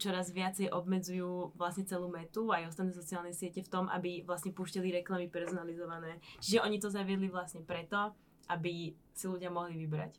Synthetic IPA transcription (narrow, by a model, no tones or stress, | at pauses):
t͡ʃɔɾazʋɪat͡sɛjʔɔbmɛd͡zujuːʋlasɲɛt͡sɛluːmɛt̪uajɔst̪at̪nɛːsɔt͡sialnɛjsɪɛcɛft̪ɔmʔa̰biʋlasɲɛpuːʃciliɾɛklamipɛɾzɔnalizɔʋanɛːt͡ʃiʒɛʔɔɲit̪ɔzaʋɪɛd̪liʋlasɲɛpɾɛt̪ɔ | ʔabi | siluɟɪamɔɦliʋibɾa̰c